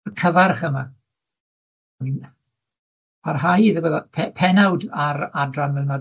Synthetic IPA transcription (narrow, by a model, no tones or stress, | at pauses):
rkʰəvarχəma | nin | pʰarɦajiðəwəðapʰɛpʰɛnawdaɾadranmɛnma